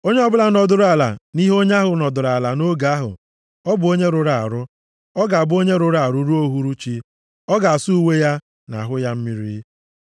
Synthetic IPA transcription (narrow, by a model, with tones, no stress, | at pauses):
o˦ɲe˦ɔ˦bʊ˦la˨nɔ˨dʊ˨ɾa˨la̰˨ni˦ɦo˦ɲ˦a˦ɦʊ˨nɔ˨dʊ˨ɾa˨la˨no˦ɡa˨˦ɦʊ̰˨ | ɔ˦bʊ˨o˦ɲe˦ɾʊ˨ɾa̰˨ɾʊ˦ | ɔ˦ɡa˨a˨bʊ˦o˦ɲe˦ɾʊ˦ɾa˨ɾʊ˦ɾu˦o˦ɦu˦ɾu˦t͡ʃi˦ | ɔ˦ɡa˨a˨su˦u˦we˦ja˦ | na̰˨ɦʊ˦ja˦m̩˦mi˦ɾḭ˦